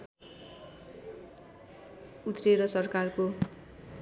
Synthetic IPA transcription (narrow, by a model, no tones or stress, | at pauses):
ut̪reɾʌsʌrkarko